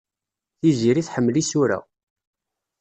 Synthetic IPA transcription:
θiziɾiθħəmːlisʊɾa̰

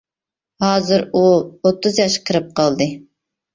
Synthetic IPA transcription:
hɑːzɨɾuot̪ʰːɨzjɑʃqʰəɾɨp̚qʰɑlˠd̪ɨ

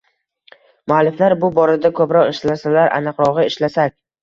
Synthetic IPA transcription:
mʊalːɪflaɾbʊbɒɾad̪akʰɵpɾɒqɪʃlasalaɾʔa̰nɨqɾɒʁɨɪʃlasakʲ

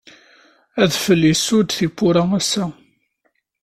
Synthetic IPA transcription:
æðfəlːisʊd̪θipːʊɾææsæ

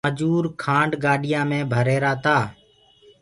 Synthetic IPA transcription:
əd͡ʒuːɾkʰãːɳɖɡaːɗɪjãːmẽːbʱəɾeːɾaːt̪aː

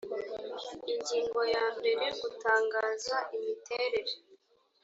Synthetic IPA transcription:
iɲɟiːŋɡo̞jaβɾiɾeɡutaːŋɡaːzaʔimitʰe̞ːɾe̞ɾe

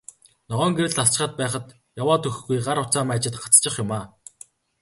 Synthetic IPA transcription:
nɔʁœːŋɡeɾɘ̆ɮaɬt͡ɕ̆χə̆t̪̚pæːχə̆t̪ | jawaːt̪ʰɵxɡujɢaɾʊt͡saːmaːt͡ɕɪ̆t̪ɢat͡st͡ɕɪ̆χjʊmaː

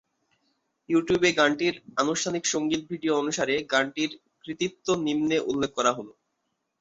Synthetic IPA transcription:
juʈjubeɡaɳʈiɾanuʃʈʰanikʃoŋɡit̪̚bʱiɖioonuʃaɾeɡaɳʈiɾ | kɾit̪ip̚t̪ːonimneʔulːekʰːkɔɾaɦolo

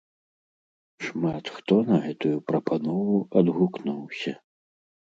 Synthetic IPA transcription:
ʂmat̪xt̪ɔnɐɣɛt̪ujupɾɐpʰanɔvuɐd̪ɣuknuwsʲɐ

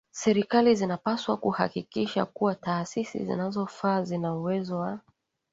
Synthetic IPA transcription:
sɛɾikalizinapaswakuha̰kikiʃa̰kuwataːsisḭzḭnazɔfaːzinauwɛzɔwa

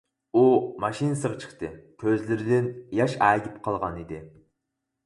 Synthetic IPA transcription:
umɑʃinɨsɨʁɑt͡ʃʰə̥χt̪ɨkʲʰøzlɪɾɪd̪ɪnjɑʃæːɡʲipqʰɑlˠʁɑnid̪ɪ

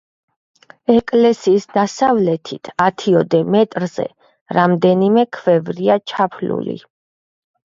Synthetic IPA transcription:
ɛkʼlɛsiːsd̪asavlɛt̪ʰit̪ʰat̪ʰiɔd̪ɛmɛt̪ʼɾz̥ɛ̰ | ɾamd̪ɛnimɛkʰvɛvɾiat͡ʃʰapʰlṵlḭ

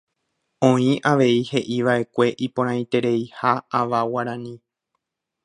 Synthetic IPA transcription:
õ̞ĩʔaʋe̞ihe̞ʔiʋaʔe̞kʷe̞ʔipõɾ̃ãj̃t̪e̞ɾe̞jhaːʋawaɾãnĩ

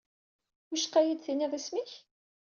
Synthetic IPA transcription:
ʊʃqːæjid̪θiniðˤæsmiç

